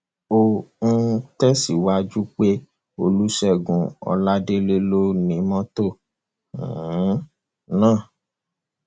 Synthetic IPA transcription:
o˨ñ̩˦tɛ˦si˨wa˧d͡ʒu˦k͡pe˦ | o˧lu˦ʃɛ˦˨ɡũ˨˧ɔ̰˧la˦de˦le˦lo˦nĩ˨˦mɔ̃˦tõ˦˨˦ | nãː˦˨

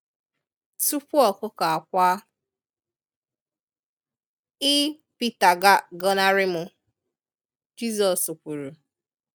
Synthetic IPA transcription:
tu˦pu˦ɔ˨kʊ˦ka˨a˨kʷa˦ | ɪ˦ | pi˦ta˨ɡa˦ɡɔ˦na˦ɾɪ˦mʊ˨ | d͡ʒi˦zɔ˨su˨kʷu˨ɾu˨

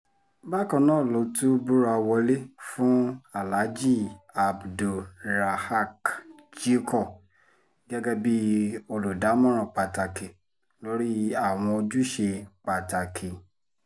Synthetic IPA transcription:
ba˦˨kɔ̃˧˦nãː˦˨lo˨˦tu˦bu˦ɾa˧wɔ˧le˦fũ˦a˨la˨˦d͡ʒi˦˨a˨bdu˨ɾa˨ha˦˨kd͡ʒi˦kɔ˦˨ | ɡɛ˦ɡɛ˦bi˦o˨lu˨da˨˦mɔ̃˦ɾ̃ɔ̃˨k͡pa˨ta˨ke˨ | lo˨˦ɾi˦a˦˨w̃ɔ̃˧o˧d͡ʒu˦ʃe˧k͡pa˨ta˨kʰe˨

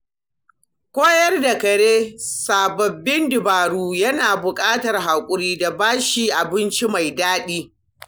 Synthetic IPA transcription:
kʷoː˦jɐ˦rda˨kɐ˨ɽeː˦saː˨bɐ˨bːɪ˦ndɪ˨baː˨ɽuː˦jɐ˦naː˨bʊ˨kʼaː˦tɐ˨rɦa˨kʷʼʊ˦ɾiː˦da˨baː˦ʃiː˨ʔa˨bɪ˦nt͡ʃi˦ma˨jdaː˦ɗiː˦

